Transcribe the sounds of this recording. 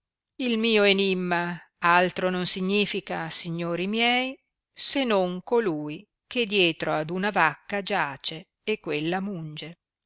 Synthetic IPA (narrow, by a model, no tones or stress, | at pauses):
ilmiːoenimːa | alt̪ɾononsiɲːiːfikasiɲːoːɾimjɛj | senoŋkoluːj | ked̪jɛːt̪ɾoad̪unavakːad͡ʒaːt͡ʃe | ekːwelːamund͡ʒe